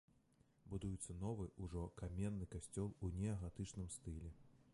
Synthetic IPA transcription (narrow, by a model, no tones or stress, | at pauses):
bud̪ujut̪sːɐnɔvɨʔuʐɔkamʲɛnːɨkasʲt͡sʲɔlˠunʲɛɐɣat̪ɨt͡ʂnɨmst̪ɨlʲɛ